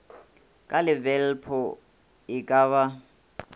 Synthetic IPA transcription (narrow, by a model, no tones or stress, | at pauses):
kʼalɪbɛl̩pʰɔ | ɪkʼaːβa